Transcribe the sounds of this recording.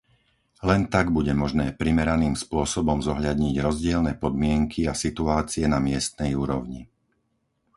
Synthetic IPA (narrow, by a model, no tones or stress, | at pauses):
lɛnt̪aɡbuɟɛmɔʒnɛːpɾimɛɾaniːmspʊɔsɔbɔmzɔɦʎad̪ɲiɟɾɔzɟɪɛlnɛːpɔd̪mɪɛŋkʰiasit̪uaːt͡siɛnamɪɛst̪nɛjuːɾɔʊɲi